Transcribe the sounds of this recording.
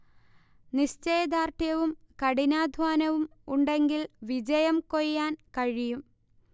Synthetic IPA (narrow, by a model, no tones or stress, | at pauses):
niɕt͡ɕejɐd̪aːrt̪ʰjɐʋum | kɐɽinaːd̪ʱʋaːnɐʋumuɳɖe̞ŋɡilʋid͡ʑɐjɐmkojjaːnkɐɻijum